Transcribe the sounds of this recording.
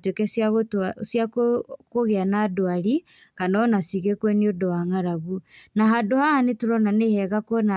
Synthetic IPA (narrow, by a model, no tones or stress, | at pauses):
twekɛsaɣotasjakokoɣeanaːdoaɾikanɔnasiɣɛkwɛniodɔwaŋaɾaɣunaɦadohanetuɾɔnanehɛɣakwɔna